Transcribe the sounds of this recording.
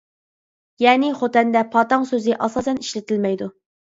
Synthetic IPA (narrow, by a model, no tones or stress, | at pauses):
jɛːnɪχot̪ɛnd̪ɛpʰɑːt̪ɑŋsøzɪʔɑsɑːsɛniʃlɪt̪ʰɪlmɛjd̪u